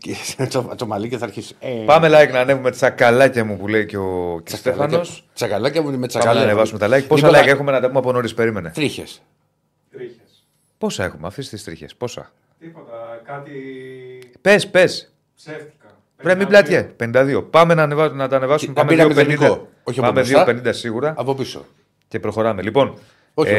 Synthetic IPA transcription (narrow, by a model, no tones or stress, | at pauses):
iot̪omɐlicoθɐɾçisupɐme̞lɐiknɐːne̞vume̞t͡sɐkɐlɐcɐmupule̞iceo̞cist̪efɐno̞ssɐkɐlɐcɐmumet͡spɐmɐmeɐnevɐsume̞t̪ɐlɐçposɐlɐkɐexume̞nɐt̪ɐpumeɐponoɾispe̞ɾime̞net̪ɾiçḛs | ɾs | po̞sɐe̞xumeɐfisi̥t̪ist̪ɾḭçḛspo̞sɐ̰ | t̪ipot̪ɐkɐt̪i | pe̞spe̞s | se̥ | vɾemiblɐt̪çepe̞nind̪ɐðio̞pɐme̞nɐːnevɐnɐt̪ɐːne̞vɐsmumepɐmeðɐiopenik̪o | oçɐpɐmeðsiope̞nind̪ɐsiɣuɾɐɐpopiso̰ | ce̞pɾo̞xo̞ɾɐmelipo̞n | oç